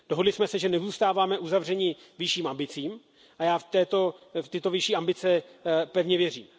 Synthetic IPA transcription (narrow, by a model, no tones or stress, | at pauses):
d̥oɦo̞dlɪsmɛsɛʒɛnɛzuːst̪aːvaːmɛʔuzavr̝ɛɲɪ | vɪʃiːmʔambɪt͡siːm | ʔajaːft̪ɛːt̪o̞ft̪ɪt̪o̞vɪʃiːʔambɪt͡sɛpɛvɲɛvjɛrḭːm